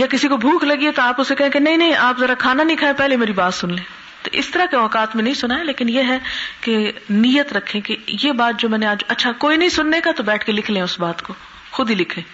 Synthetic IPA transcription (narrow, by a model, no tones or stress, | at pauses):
jakɪsikobʱũːkʰlɐɡiet̪oaːpʊsekɛɦẽkenɐɦĩnɐɦĩʔaːpzɐɾakʰaːnanĩkʰaːẽpɛɦleimeːɾibaːt̪sʊnlẽː | t̪oʔɪ̰st̪ɐɾakeɔːkaːt̪mẽnɐɦĩsʊnaːeleːkɪnjeɦɛkenijət̪ɾɐkʰːẽkejebaːt̪̚d͡ʒoːmɛːneaːd͡ʒɐtːʃʰakoːinɐɦĩsʊnːekat̪obɛːʈʰkelɪkʰlẽʊsbaːt̪ko | xʊd̪ʱilɪkʰẽː